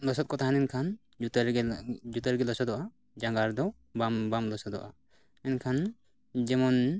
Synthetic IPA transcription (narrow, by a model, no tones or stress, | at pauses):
lɔsɔt̪̚kɔt̪ʰaɦanɛnkʰan | ut̪ɾd͡ʒut̪əɾɡɛlɔsɔd̪ɔʔa | d͡ʒaŋɡaɾd̪ɔw | bambamlɔsɔd̪ɔ̰ʔa | ɛnkʰan | d͡ʒɛmɔn